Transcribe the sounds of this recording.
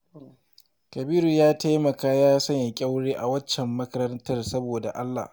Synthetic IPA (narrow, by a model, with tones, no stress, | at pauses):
kɐ˨biː˦ɾu˨jaː˦ta˦jmɐ˨kaː˦jaː˦sɐ˦ɲja˨kʲʼa˦wɽeː˦ʔa˨wɐ˦t͡ʃːɛ˨mːɐ˦kɐ˦ɾɐ˦ntɐ˦rsɐ˦boː˨da̰˨ʔa˦lːa̰ː˨h